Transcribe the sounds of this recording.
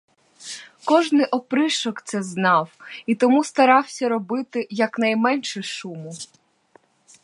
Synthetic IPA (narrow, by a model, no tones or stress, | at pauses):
kɔʒnɪʔɔpɾɪʃɔkt̪sɛznɑwit̪ɔmust̪ɐɾɑwsʲɐɾɔbɪt̪ɪjɐknɐjmɛnʃɪʃumʊ